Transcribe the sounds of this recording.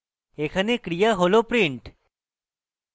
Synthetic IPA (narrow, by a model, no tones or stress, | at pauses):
ekʰanekɾijaɦolopɾiɳʈ